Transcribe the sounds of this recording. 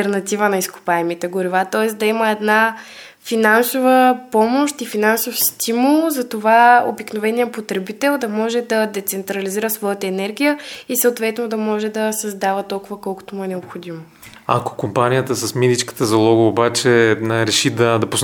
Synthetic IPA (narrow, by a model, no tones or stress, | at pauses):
ɛɾnɐt̪ivənɐisku̥paɛmit̪ɛɡʊɾivat̪ɔɛsd̪ɐiməɛd̪na | finansovəpɔmoʃt̪ifinansofst̪ʰimulˠzɐt̪ovao̰biknovɛnijəpot̪ɾɛbit̪ɛlˠd̪ɐmɔʒɛd̪ɐd̪ɛt̪sɛnt̪ɾɐliziɾəsvɔjət̪əɛnɛɾɡʲijəisəot̪vɛt̪nod̪ɐmɔʒɛd̪ɐsɐzd̪avət̪ɔlˠkʊvɐkɔlˠkʊ̥t̪omuɛnɛopxod̪imo | ɐ̰ko̥kompanijət̪əsɐsmid̪it͡ʃkə̥t̪əzɐlˠɔɡəobat͡ʃɛɾɛʃid̪ɐd̪ɐpos